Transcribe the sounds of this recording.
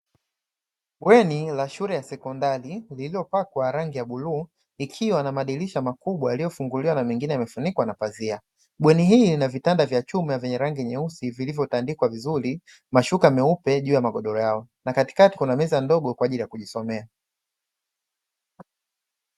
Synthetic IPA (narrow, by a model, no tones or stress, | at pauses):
ɓwɛnilaʃuɾɛjasɛkɔndaɾilililɔpakwaɾaŋɡijaɓuluː | ikʰiwanamaɗiliʃamakuɓwajalijɔfuŋɡuliwanamiŋɡinɛamɛfunikwanapazia | ɓwɛniɦiːlnavitandavjat͡ʃumiavɛɲɛɾaŋɡiɲɛusivilivjɔtandikwavizuɾi | maʃukamɛupɛʄuːjamaɠɔɗɔɾɔjaɔnakati̥kati̥kunamɛzandɔɠɔkwaʄilijakuʄisɔmɛa